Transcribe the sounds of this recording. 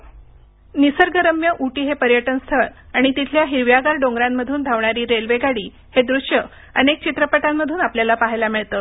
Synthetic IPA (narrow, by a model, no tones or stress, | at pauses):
nisəɾɡəɾəmjəʔuʈiːɦepəɾjəʈənst̪ʰəɾaɽ̃it̪it̪ʰljaɦiɾʋjaɡaɾɖõŋɡɾamːəd̪ʱuːnd̪ʱaʋɳaɾiːɾelʋeɡaɽiː | hed̪ɾuʂjə | ənek̚t͡ɕit̪ɾəpəʈamːəd̪ʱuːnapljalapaɦajlamiɭt̪ə